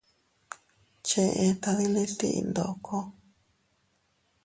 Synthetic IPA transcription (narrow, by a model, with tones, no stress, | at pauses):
t͡ʃẽ˧ʔẽ˧t̪a˧ði˦li˦t̪ḭ˦ḭ˧nd̪o˨ʔkʰo˦